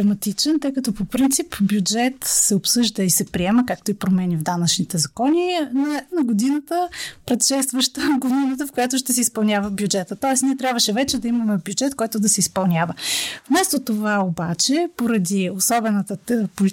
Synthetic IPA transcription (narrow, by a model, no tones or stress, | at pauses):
ɛmɐt̪it͡ʃɛnt̪əjkɐt̪ɔpopɾint̪sipbjud͡ʒɛt̪sɛopsɤʒd̪əisɛpɾiɛməkak̚t̪oipɾomɛnʲivd̪anɐt͡ʃnit̪ɛzɐkɔnʲinɐnɐɡod̪inət̪əpɾɛt̪ʃɛst̪vəʃt̪əɡod̪inət̪əfkojat̪oʃt̪ɛsɛispɐlˠnʲavəbjud͡ʒɛt̪ət̪ɔɛsniɛt̪ɾʲabvəʃɛvɛt͡ʃɛd̪ɐimɐmɛbjud͡ʒɛt̪kɔjt̪ʊd̪ɐsɛispɐlˠnʲjavəfmɛst̪ot̪ovaobat͡ʃɛpoɾɐd̪iosɔbɛnət̪ət̪poli